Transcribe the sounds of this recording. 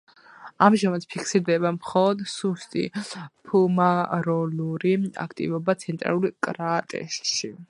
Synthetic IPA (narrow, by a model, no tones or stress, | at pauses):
amʒamat̪pʰikʰsiɾd̪ɛβamχɔlˠɔd̪sust̪ʼḭpʰumaɾɔluɾia̰kʰt̪ʼḭvɔbat̪sʰɛnt̪ʼɾa̰lˠulkʼɾat̪ʼɛ̰sʃi